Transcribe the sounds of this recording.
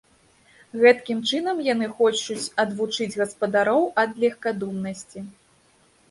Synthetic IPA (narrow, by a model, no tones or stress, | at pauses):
ɣɛt̪kʲimt͡ʂɨnɐmjanɨxɔt͡ʂut͡sʲɐd̪vut͡ʂɨd͡zʲɣɐspɐd̪aɾɔwɐd̪lʲɛxkad̪umnɐsʲt͡sʲi